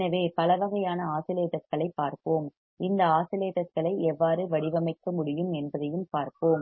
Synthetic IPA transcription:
nɐʋeːpɐlɐʋɐɣɐjaːnɐaːsɪleːʈɐskɐɭɐɪpːaːɾpoːm | ɪnd̪ɐaːsɪleːʈɐskɐɭɐɪɛʋːaːɾɯʋɐɽɪʋɐmɐɪkːɐmʊɽɪjɯmɛnbɐðɐjɯmpaːɾpoːm

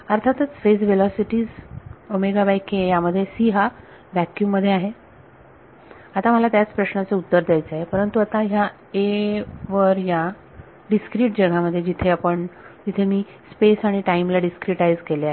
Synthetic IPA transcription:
əɾt̪ʰat̪ət͡sfesʋelɔsiʈiːzomeɡabajkejaməd̪ʱːjesiːɦa | ʋjækjuməd̪ʱːjeaɦe | at̪am̤əlat̪jat͡spɾəɕnat͡seut̪ːəɾd̪jajt͡seaɦepəɾənt̪uat̪aɦja | eʋəɾja | ɖiskɾiːʈ̚d͡ʑəɡaməd̪ʱːjed͡ʑit̪ʰeapəɳt̪it̪ʰemiː | spesaɽ̃iʈaimlaɖiskɾiʈaid͡zkeleaɦ

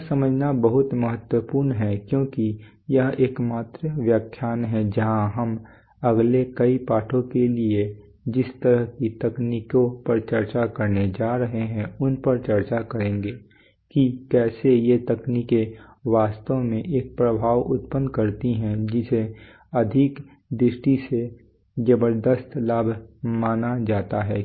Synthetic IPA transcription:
sɐməd͡ʒʱnabɐɦʊt̪mɐɦət̪wəpuːɾnɦɛkjõːki | jɐɦeːkmaːt̪ɾəʋjakʰːjaːnɦɛ̃d͡ʒɐɦãɦɐm | ɐɡlekɐipaːʈʰõkelie | d͡ʒɪst̪əɾəɦkit̪ɐkniːkõpɐɾt͡ʃɐɾt͡ʃakɐɾned͡ʒaːɾɐɦeɦɛ̃ʊnpəɾt͡ʃɐɾt͡ʃakɐɾẽːɡeː | kikɛːsejet̪ɐkniːkeʋaːst̪õmẽʔeːk̚pɾəbʱaːʋʊt̪̚pə̃nd̪kɐɾt̪iɦɛ̃d͡ʒɪse | ɐd̪ʱɪk | d̪ɾɪʃʈise | d͡ʒɐbəɾd̪əst̪laːbʱmaːnad͡ʒaːt̪aɦɛː

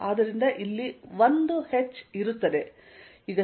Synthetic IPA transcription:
aːd̪ɐɾind̪ɐʔilːiʋond̪uhet͡ʃːiɾut̪ːɐd̪e̞ | iɡɐ

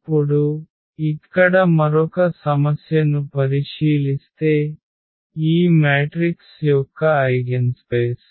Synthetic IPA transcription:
puɽu | it̪kɐɽɐmɐɾɔkɐsɐmɐsjɐnupɐɾiʃiːlist̪eː | iːmaːʈɾiksjɔːkɐɐjɡenspeːs

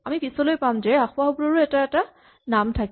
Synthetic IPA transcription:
amipisɔlojpamzɛaxʊabʊɹaɹuɛtaɛta | namtʰak

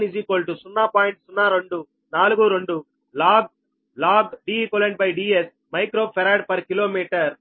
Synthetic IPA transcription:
nid͡ʒiːkoːlʈusunːaːpaːjiɳʈsunːaːɾoɳɖu | naːluɡuɾoɳɖu | laːɡ̚ | laːɡɖiːkoːleɳʈ̚bɐjɖies | mɐjkɾoːpʰɐɾaːɖ̚pɐɾkiloːmiːʈɐɾ

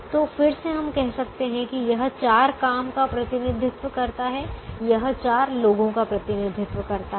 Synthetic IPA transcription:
t̪oːfɪɾseɦɐmkɛɦsɐk̚t̪eɦɛ̃kijɐɦt͡ʃaːɾkaːmkapɾɐt̪ɪnɪd̪ʱɪt̪ʋəkɐɾt̪aɦɛjɐɦt͡ʃaːɾloːɡõkapɾɐt̪ɪnɪd̪ʱɪt̪ʋəkɐɾt̪a

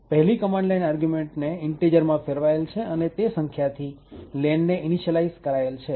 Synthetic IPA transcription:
pəɦɛlikəmaɳɖlajnaɾɡjumeɳʈneɪɳʈed͡ʒəɾmãfeɾʋaelt͡ʃʰeənet̪esəŋkʰjat̪ʰilɛnːeʔɪniʃəlaizkəɾaelt͡ʃʰe

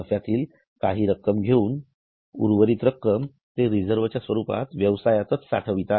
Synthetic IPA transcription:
əfjat̪iːl | kaɦiːɾəkːəmɡʱeuːn | ṵɾʋəɾiːt̪ɾəkːəm | t̪eɾid͡zəɾʋ̤ət͡ɕjasʋəɾupa̰t̪ʋjəʋsajat͡sət͡ssa̰ʈʰəʋit̪a

